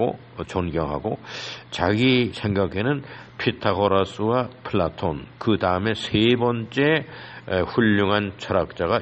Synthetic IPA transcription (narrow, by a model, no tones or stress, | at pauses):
o | t͡ɕʌnɡjʌŋɦa̰ɡot͡ɕaɡisʰe̞ŋɡaɡʰe̞nɯnpʰitʰaɡʌɾas͈ʰɯwapʰɯɭːatʰonkɯdaɯme̞sʰe̞bʌnt͡ɕ͈e̞ | ɸuʎːuŋɦant͡ɕʰʌɾak̚t͡ɕ͈aɡa